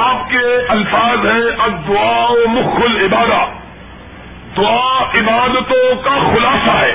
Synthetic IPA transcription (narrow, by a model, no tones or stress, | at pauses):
aːpkeɐlfaːzɦɛ̃ɐb̚d̪ʊaːomʊxʊlɪbaːd̪a | d̪ʊaːɪbaːd̪t̪õkaxʊlaːsaɦɛː